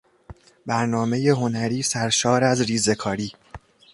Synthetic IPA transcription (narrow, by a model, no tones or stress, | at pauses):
bæɾnɒːme̞je̞ɦo̞næɾiːsæɾʃɒːɾæzɾiːze̞kʰɒːɾiː